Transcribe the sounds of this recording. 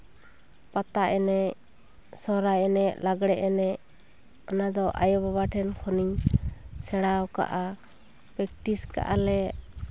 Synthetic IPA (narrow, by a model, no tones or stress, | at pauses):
pat̪aʔɛnɛ | sɔɾajɛnɛʔlaɡɽɛʔɛnɛʔ | ɔnad̪ɔʔa̰jɔbaβaʈʰɛnkʰɔniɲsɛɽawka̰ʔa | pɛk̚ʈiska̰ʔalɛ